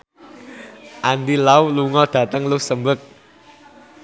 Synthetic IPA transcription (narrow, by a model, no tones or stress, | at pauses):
ʔand̪ilauluŋɔd̪̥ä̤t̪əŋluhsəmbək̚